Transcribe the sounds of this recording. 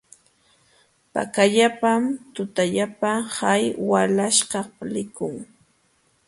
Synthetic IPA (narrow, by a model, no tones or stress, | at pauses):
pa̰kaʎapamt̪ʊt̪aʎapahajwalaʃɢɑlɪkʊŋ